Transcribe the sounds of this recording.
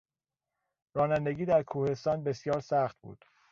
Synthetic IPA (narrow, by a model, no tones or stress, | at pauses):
ɾɒːnænd̪eɡiːd̪æɾkʰuːhe̞st̪ɒːnbe̞sijɒːɾsæxt̪̚bṵːd̪̥